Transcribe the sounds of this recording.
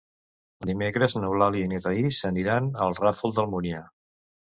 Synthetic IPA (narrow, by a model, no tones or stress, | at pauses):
d̪imekɾəznuwlaliinet̪aisəniɾanəlˠrafolˠd̪əlˠmunja